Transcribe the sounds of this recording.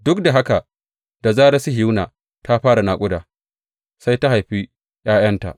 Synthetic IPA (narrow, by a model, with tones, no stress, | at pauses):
dʊ˦kda˨ɦa˦ka˨ | da˨zaː˦ɾa˦si˦ɦɪ˦wnaː˨ | ta˦ɸaː˦ɾa˨naː˨kʷʼʊ˦daː˨ | sa˦jta˦ɦa˨jɸi˦ | j̰aː˦j̰ɐ˦nta̰˨ʔ